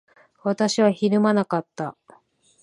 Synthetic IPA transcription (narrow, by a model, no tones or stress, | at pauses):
βat̪aɕiβaçiɾɯ̟manakat̪ːa